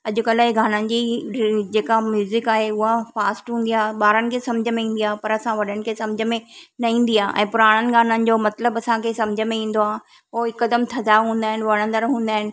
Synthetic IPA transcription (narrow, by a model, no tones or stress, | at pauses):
ɐʄʊkɐlaːeɡaːnənɪ̆d͡ʑid͡ʑeːkamjuːzɪkaːɦeʊɦafaːsʈɦũːn̆d̪ijaːɦɓaːɾənɪ̆kʰeːsɐmd͡ʑʱəmẽĩːn̆d̪iaːɦepɐɾɐsãʋɐɗənɪ̆kʰesɐmd͡ʑʱə̆mẽnɐĩːn̆d̪iaːʔɛ̰̃ːpʊɾaːɽ̃ənɪ̆ɡaːnənɪ̆d͡ʑomɐt̪ləbɐsãkʰesɐ̃md͡ʑʱəmẽĩːn̆d̪oaːɦ | ɦoɪkːəd̪əmt̪ʰɐd̪aɦũːn̆d̪aːɦɪnɪ̆ʋɐɽ̃ə̃nd̪əɾɦũːn̆d̪aːɦɪnɪ̆